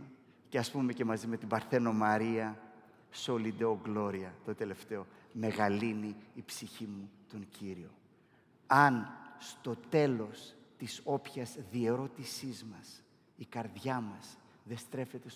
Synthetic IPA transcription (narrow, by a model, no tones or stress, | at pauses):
ceɐspume̞ce̞mɐzime̞t̪ibɐɾθe̞no̞mɐɾiɐ | so̞lid̪eoɡlo̞ɾiɐt̪ot̪e̞le̞ft̪e̞o̞me̞ɣɐliniːpsiçimut̪o̞ɲɟiɾio̞ | ɐnst̪o̞t̪e̞lo̞st̪iso̞pçɐzðie̞ɾo̞t̪isizmɐs | ikɐɾðʝɐmɐs | ðe̞st̪ɾe̞fe̞t̪e̞s